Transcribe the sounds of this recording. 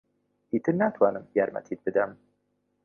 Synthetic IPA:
it̪ʰɨnat̪ʰwɑːnɨmjɛɾmɛ̰t̪ʰit̪̚bɨd̪ɛm

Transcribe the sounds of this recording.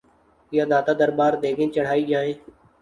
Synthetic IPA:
ɪjaːd̪aːt̪aːd̪əɾbaːɾd̪eːɡẽːt͡ʃəɽ̤aːiːɡjaːɦẽː

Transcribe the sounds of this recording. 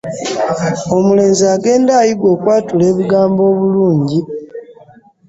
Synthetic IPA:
o̞mule̞ːnziaːɡe̞ːndaːjiɡwo̞ːkwaːtule̞ːβiɡaːmbo̞ːβuluːɲɟi

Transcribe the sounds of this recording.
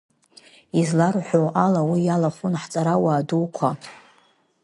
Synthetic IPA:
izlarħʷoalawijalaχunħt͡sʼaɾawaːduwkʷʰa

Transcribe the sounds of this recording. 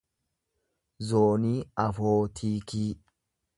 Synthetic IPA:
zoːniːɐfoːt̪ʰiːkiː

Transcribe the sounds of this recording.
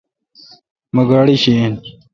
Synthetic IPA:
məɡaːɽiɕin

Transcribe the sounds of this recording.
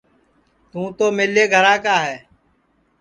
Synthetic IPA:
t̪ũːt̪oːmeːleːɡʱəɾãːkaːɦɛː

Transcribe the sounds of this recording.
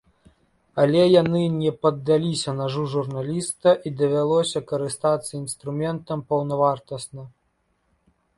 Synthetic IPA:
ɐlʲɛjanɨnʲɛpɐd̪ːalʲisʲɐnaʐuʐurnalʲist̪ɐʔid̪ɐvʲalˠɔsʲɐkɐɾɨst̪at̪sːɐinst̪ɾumʲɛnt̪ɐmpɐwnɐvart̪ɐsnɐ

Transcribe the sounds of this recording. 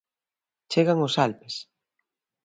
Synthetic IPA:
t͡ʃeɣaŋosalpes

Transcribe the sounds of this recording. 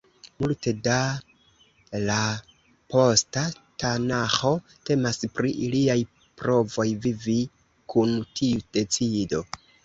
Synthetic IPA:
multe̞da | la | po̞statanaxo̞ | te̞maspɾiʔiliaj | pɾo̞vo̞jvivi | kʰuntʰiud̥e̞t͡sido̞

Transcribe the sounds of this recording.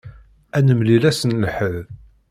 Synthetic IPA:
ænəmlilæsənlħəð

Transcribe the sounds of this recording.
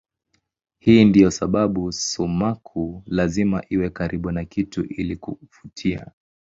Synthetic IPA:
hiːndijɔsaɓaɓusumakʰulazima̰ʔiwɛkaɾiɓunakituʔilikufutʰia̰

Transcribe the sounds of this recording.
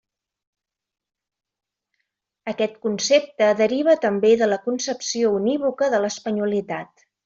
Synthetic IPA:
əkɛt̪kunsep̚t̪əðəɾiβ̞ət̪əmbeðələkunsəpsiouniβukəðələspəɲulit̪at̪

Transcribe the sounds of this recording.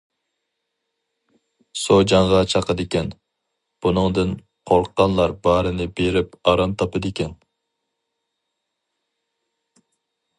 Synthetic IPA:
sod͡ʒɑŋʁɑt͡ʃʰɑqəd̪ɪkʲɛn | b̥unɨŋd̪ɨn | qʰoɾqʰːɑnlˠɑɾbɑɾɨnɪbeɾɪpɑɾɑmt̪ʰɑpɨd̪ɪkʲɛn

